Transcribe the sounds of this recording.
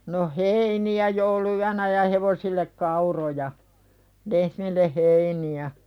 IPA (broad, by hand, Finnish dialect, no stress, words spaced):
no heiniæ jouluyænæ jɑ heʋosilːek kɑurojɑ lehmilːe heiniæ